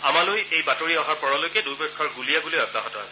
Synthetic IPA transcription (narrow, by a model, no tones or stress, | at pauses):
amalojejbatoɹiɔɦaɹpɔɹɔlojkɛdubɛkʰːɔɹɡulijaɡulojɔdba̰ɦɔtɔa̰sɛ